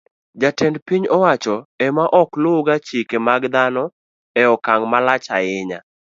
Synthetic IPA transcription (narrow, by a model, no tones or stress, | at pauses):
d͡ʒatɛndpiɲɔwat͡ʃɔɛmaʔɔklʊɡat͡ʃikemaɡd̪anɔ | ɛɔkaŋmalat͡ʃaɪɲa̰